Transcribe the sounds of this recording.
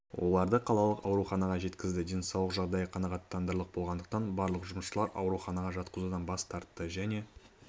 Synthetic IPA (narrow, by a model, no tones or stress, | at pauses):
wʔo̞̰lˠɑɾd̪əqʰɑlˠɑlˠəqɑwɾuχɑnɑʁɑʒe̞t̪kʲɪzd̪ɪd̪e̞nsɑwlˠəqʒɑʁd̪ɑjəqʰɑnɑʁɑt̪ːɑnd̪əɾlˠəq̚bo̞lˠʁɑnd̪əq̚t̪ɑnbɑɾlˠəqʒʊməsʃəlˠɑɾʔɑ̰wɾuχɑnɑʁɑʒɑt̪qəzud̪ɑnbɑst̪ʰɑɾt̪ːəʒæne̞